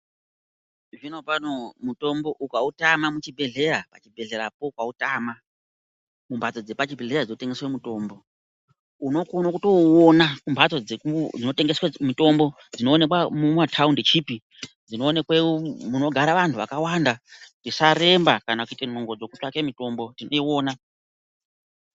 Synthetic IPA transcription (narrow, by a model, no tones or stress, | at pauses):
ʐinopanomuto̞mbo̞ʔukautamamut͡ʃibʱe̞ɮe̞ɾapat͡ʃibʱe̞ɮe̞ɾapokwautama | mumbʱat͡sod͡ze̞pat͡ʃibʱe̞ɮeɾad͡zino̞te̞ŋɡe̞swemuto̞ːmbo̞ | uno̞konokuto̞wonakumbʱat͡so̞d͡zekud͡zino̞te̞ŋɡe̞swamito̞mbo̞ | d͡zino̞ːne̞kwamumwatʰaundet͡ʃipi | d͡zino̞ːne̞kwemuno̞ɡʱaɾaʋantʰuʋakawandaktisaɾe̞mbakanakuitenoŋɡo̞d͡zo̞kutwakemito̞mbo̞tino̞io̞ːna